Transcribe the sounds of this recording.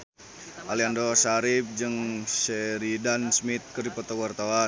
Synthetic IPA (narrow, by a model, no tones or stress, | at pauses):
ʔaliandosaɾip̚d͡ʒɨŋsɛɾidansmit̪̚kəripat̪awart̪awa